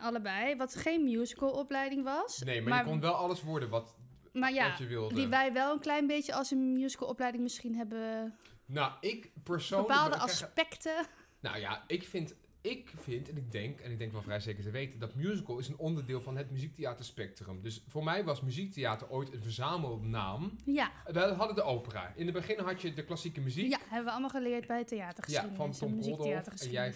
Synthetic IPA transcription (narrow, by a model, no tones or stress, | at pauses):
ʔɑləbɛjʋɑtχejnmjuːzikəlˠɔplɛjdɪŋʋɑsnejmaɹmaəkɔnʋɛlˠɑləsʋɔɹdənʋɑt | maɹjajəʋɪlˠddiʋɛjʋɛlˠənklɛjnbejtjəɑlˠsənmjuːzi̥kəl̩ˠɔplɛjdɪŋmɪsχinɦɛbə | noɪkpəɹsobwnpaəːlˠdəʔasspɛktə | no̰wja̰ɪkfɪnt | ɪkfɪntɛnɪɡ̚dɛŋkɛnɪɡ̚dɛŋkʋɛlˠfrɛjzejkəɹtəʋejtəndɑtmjuːzikəlˠɪsənɔndəɹdɪːlˠvɑnɦətmyzik̚tejaːtəɹspɛk̚trəmdɵsfoːɹmɛjʋɑsmyzik̚tejaːtəɹojtənvəɹzaːməlˠdna̰ːmjadəɦɑdədəʔowpəra̰ːɪndəbəχɪnɦɑtjədəklɑsikəmyzikjaɦɛbəʋəɑlˠmalˠχəlɪət̚bɛjətejaːtəχəjaifɑntɔmzilˠdɔaːftəsɛjɛj